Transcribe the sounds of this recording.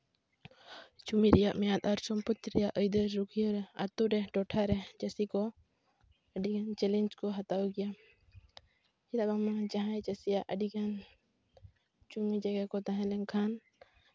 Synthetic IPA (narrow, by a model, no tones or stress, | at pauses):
t͡ʃumiɾɛjaʔmɛjat̪aɾsɔmput̪ɾɛjaʔəjd̪əɾɾukʰijɔɾɛa̰t̪uɾɛʈɔʈʰaɾɛd͡ʒəsikɔ | əɖiɡant͡ʃɛlɛnd͡ʒkɔɦat̪awɡija | id̪akamad͡ʒaɦãd͡ʒəsijaʔʔəɖiɡan | t͡ʃumid͡ʒaɡakɔt̪aɦɛ̃lɛŋkʰan